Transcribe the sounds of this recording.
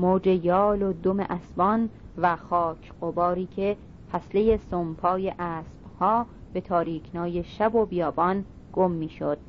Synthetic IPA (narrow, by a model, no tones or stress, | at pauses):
moːd͡ʒe̞jɒːlod̪omḛʔæsbɒn | væxɒːcʰɢobɒːɾiːcʰe̞ | pʰæsle̞jesompʰɒːjeʔæːsb̥hɒːb̥e̞t̪ʰɒːɾiːcʰnɒːje̞ʃæbobijɒːbɒn | ɡ̥o̞mːiːʃod̪̥